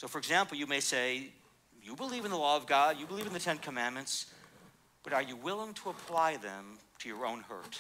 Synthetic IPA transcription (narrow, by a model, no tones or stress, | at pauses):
soʊfə˞ɨɡzæ̃mpl̩ˠjɨmeɪseɪ | jɨbəlivɨ̃nðəlɔʌvɡɑdjɨbəliṽnðɨtʰɛ̃nkʰəmæ̃nmɨ̃nts | b̥ʌɾə˞jɨwɪlˠɪ̃ŋtʰəəpʰl̥aɪðɛ̰̃mtʰɨjə˞õʊ̃nhɜ̰˞t